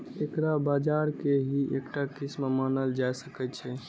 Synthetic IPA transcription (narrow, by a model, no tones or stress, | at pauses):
ekɾabad͡ʒaɾkeɦiekʈakismmanəld͡ʒajsəkɛt͡ʃʰɛ